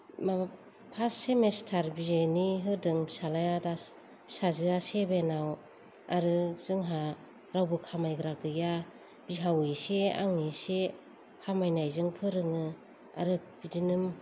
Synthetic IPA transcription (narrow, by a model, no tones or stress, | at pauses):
ma | pʰasemestʰaɾbizeniɦɯdɯŋbisalajada | bsazɯasebenaw | aɾɯz̥ɯŋɦa | ɾawbɯkʰamajɡɾaɡɯja | b̥iɦawisea̰ŋɯse | kʰamajnajzɯŋpʰɯɾɯŋɯ | a̰ɾɯbidinɯm